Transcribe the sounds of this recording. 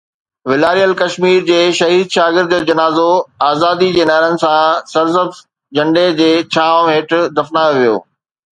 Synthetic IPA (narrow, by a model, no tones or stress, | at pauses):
ʋɪlaːɾijəlkɐʃmiːɾd͡ʑeːʃɐɦiːd̪̚ʃaːɡɪɾd̪d͡ʑɐnaːzoaːzaːd̪id͡ʑeːnaɦɪɾənɪ̆sãsɐɾzəb | d͡ʑɐ̃ɳɖed͡ʑeːt͡ɕʰãːɦeːʈd̪ɐfnaːjoʋijo̰ː